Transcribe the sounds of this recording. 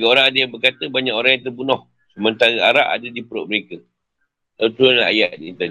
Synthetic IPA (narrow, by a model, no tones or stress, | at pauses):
ɡaoɾaŋadajaŋbərkat̪əbaɲakoɾaŋjãŋt̪ərbunɔh | səmənt̪aɾəaɾaʔa̰dadipəɾɔ̰ʔ̚məɾekə | ət̪ualaa̰jaʔ̚diint̪ən